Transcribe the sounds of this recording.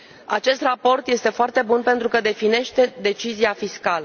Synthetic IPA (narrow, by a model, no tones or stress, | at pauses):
at͡ʃe̞st̪rapo̞rt̪je̞st̪e̞foart̪e̞bunpe̞nt̪ɾukəd̪e̞fine̞ʃt̪e̞d̪e̞t͡ʃiziafiskalə